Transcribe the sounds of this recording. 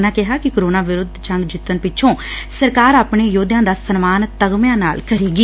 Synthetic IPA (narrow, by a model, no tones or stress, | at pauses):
nãːkɪɦaːkɪkoɾoːnaːʋɪɾʊd̪ʱt͡ʃə̃ŋɡd͡ʒɪt̪ːənpɪt͡ʃʰõːsəɾkaːɾaːpɳeːjoːd̪jãːd̪aːsənmaːnt̪əɡmjãːna̰ːlkəɾiːɡiː